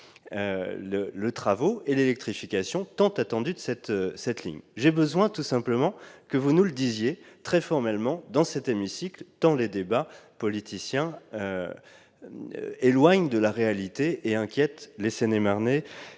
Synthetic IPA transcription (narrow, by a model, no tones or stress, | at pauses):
ølələt̪χavoelelɛk̚t̪χifikʲasjɔ̃t̪ɑ̃t̪at̪ɑ̃d̪yd̪əsɛt̪sɛt̪lḭɲʒebəzwɛ̃t̪usɛ̃pləmɑ̃kəvunuləd̪izjet̪χɛfɔʁmɛlmɑ̃d̪ɑ̃sɛt̪emisiklt̪ɑ̃led̪ebapɔlit̪ʰisjɛ̃ø | elwaɲd̪əlaʁealit̪eʔeɛ̃kʲjɛt̪lesenemaʁne